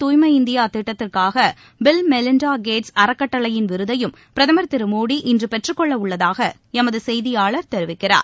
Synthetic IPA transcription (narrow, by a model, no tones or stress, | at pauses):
t̪uːjmɐɪnd̪ɪjaːt̪ɪʈːɐt̪ːɪrkaːɣɐ | bɪlmɛlɪnɖaːɡeːʈsɐɾɐkːɐʈːɐɭɐjɪnʋɪɾɯðɐjɯm | pɪɾɐðɐmɐɾt̪ɪɾɯmuːɽiʔɪndrɯpɛʈrɯkːɔɭːɐʊɭːɐðaːɣɐ | ɛmɐðɯsɛjðɪjaːɭɐɾt̪ɛɾɯʋɪkːɪra̰ːɾ